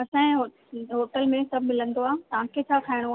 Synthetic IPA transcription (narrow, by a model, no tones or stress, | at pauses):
ɐsãɦo | ɦoːʈəlmẽsɐbʱmɪlə̃nd̪oaːt̪ɐʋ̤ãkʰet͡ɕʰaːkʰaːɪɽ̃oa